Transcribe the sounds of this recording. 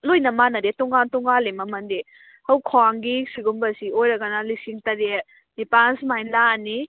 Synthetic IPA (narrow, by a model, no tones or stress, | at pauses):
lojnɐmanɐdetɔŋantɔŋalemɐmɐnde | hɐwkʰwaŋɡisiɡumbɐsiojɾɐɡɐnalisiŋtɐɾe | nipansmajlani